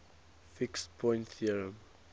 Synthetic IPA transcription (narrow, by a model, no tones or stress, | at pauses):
fikspʰɔ̃j̃ntθiəɹə̃m